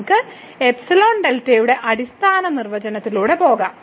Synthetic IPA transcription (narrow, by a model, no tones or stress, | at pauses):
kːɨ | epsilo̞ːɳɖeltːɐjuɽe̞ʔɐɽist̪ʰaːnɐnirʋɐd͡ʑɐnɐt̪ːiluːɽe̞po̞ːɣa̰ːm